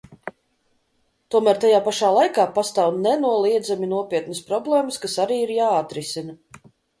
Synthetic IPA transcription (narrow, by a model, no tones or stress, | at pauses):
t̪uɔmæːɾt̪ajaːpaʃaːlˠajkaːpast̪awnɛnuɔlˠiɛd̪zaminuɔpiɛt̪nəspɾɔblˠeːməskasaɾiːiɾjaːat̪ɾisinɐ